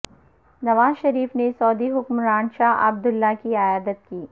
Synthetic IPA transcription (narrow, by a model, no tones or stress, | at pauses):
nɐʋaːzʃɐɾiːfnesɔːd̪iɦʊkmɾãːnʃaːɦɐ̰b̚d̪ʊlːakiajaːd̪ət̪̚kiː